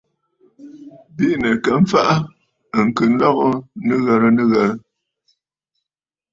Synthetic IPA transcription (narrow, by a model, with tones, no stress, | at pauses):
bi˦˨nə˨kə˨˦m̩˦fa˦ʔa˦˨ | ŋ̩˨kɨ˨n̩˦lɔ˦ɣɔ˦nɨ˦ɣə˨ɾə˦nɨ˦ɣə˨ɾə˦